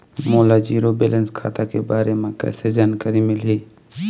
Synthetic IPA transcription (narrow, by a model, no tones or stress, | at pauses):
moːlad͡ʒiːɾobeːlə̃nskʰa̰ːt̪akebaːɾemẽkɛ̰ːsed͡ʒaːnkəɾimɪlɦiː